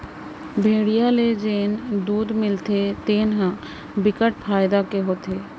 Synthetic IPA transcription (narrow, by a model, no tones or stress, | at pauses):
bʱeɽijaled͡ʑend̪ud̪milt̪et̪enɦã | bikaʈ̚fʰaed̪akeɦot̪ʰe